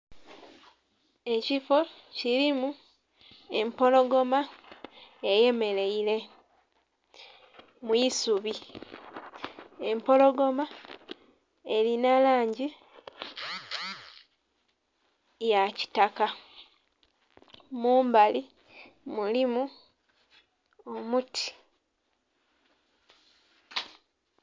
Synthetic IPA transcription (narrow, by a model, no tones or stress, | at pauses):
e̞cifo̞ | ciɾimu | e̞mpo̞lo̞ɡo̞ma | eje̞me̞le̞ile̞ | mwisuβi | e̞mpo̞lo̞ɡo̞ma | e̞linalaːɲɟi | jaci̥taka | muːmbali | mulimu | omutʰi̥